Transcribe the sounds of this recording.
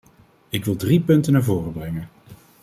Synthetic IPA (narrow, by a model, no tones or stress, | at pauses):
ɪkʋɪlˠdripɵntənaːɹvoːrəbrɛŋən